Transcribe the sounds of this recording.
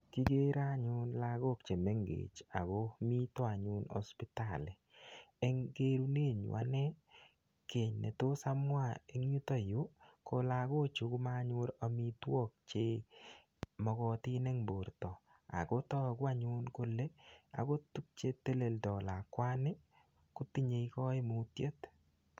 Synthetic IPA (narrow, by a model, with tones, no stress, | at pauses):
ki˦ɡe˦ɾa˦ɲʊ˦nla˦ɡo˦k̚t͡ʃe˨me˦ŋɡḛ˨t͡ʃa̰˨ɡo˦mi˦tɔ˦a˨ɲʊ˦nɔ̰˦spi˦ta˦˨le˨ | ɛ˦ŋɡe˦ɾu˦ne˦˨ɲʊ̰˨ʔa̰˦ne˦ | ke˨ɲnḛ˨to˦sa˦mwa˦˨e˨ŋ˦u˦to˦jʊ˦kʰo˦la˨ko˦t͡ʃu˨ku˦ma˦ɲʊ˦ɾa˨mi˦twɔ˦k̚t͡ʃe˦ | mɔ˨kɔ˦tɪ˦ne˦ŋbo˨ɾtɔ˨ | a̰˨ko˦tɔ˦˨kwa˦ɲu˦nkʊ˦le˦a̰˨ko˦tu˦k̚t͡ʃe˦te˦le˨ldɔ˨la˨kwa˦ne˦ | kʊ˦ti˦ɲe˨i˦kɔ˦i˦mu˦tje˦t